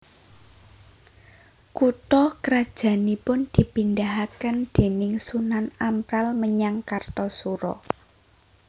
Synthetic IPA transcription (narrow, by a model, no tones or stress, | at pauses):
kuʈ̪ɔkəɾad̥ʒ̥ä̤nipʊnd̪̥i̤pind̪aɦakənd̪̥e̤nɪŋsunanampɾalməɲaŋkart̪ɔsuɾɔ̰